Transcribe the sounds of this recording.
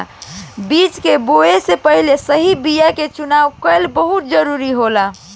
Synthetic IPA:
bit͡ʃkeboesepəɦilesəɦibijaket͡ʃunawkəlbəɦut̪̚d͡ʒəɾuɾiɦola

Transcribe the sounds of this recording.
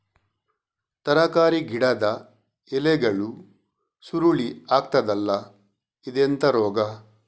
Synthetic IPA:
t̪ɐɾɐkaːɾiɡiɽɐd̪ɐ | ɛlɛɡɐɭu | suɾuɭiaːk̚t̪ɐd̪ɐlːɐ | id̪ent̪ɐɾɔːɡɐ

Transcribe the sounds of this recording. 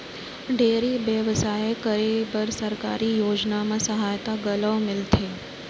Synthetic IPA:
ɖeɾiʋjəʋsajekəɾibəɾsəɾka̰ɾijoːd͡ʒnamãsəɦajt̪aɡələʋmɪlt̪ʰe

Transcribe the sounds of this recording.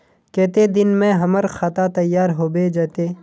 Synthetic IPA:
kɛːt̪ed̪ɪnmẽɦɐməɾxat̪at̪ɐjːaːɾɦoːbed͡ʒɛːt̪eː

